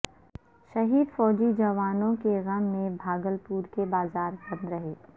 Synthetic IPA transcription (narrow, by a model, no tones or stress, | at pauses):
ʃɐɦiːd̪fɔːd͡ʒid͡ʒɐʋaːnõkeɣɐmːẽbʱaːɡəlpuːɾkebaːzaːɾbɐ̃nd̪ɾɐɦeː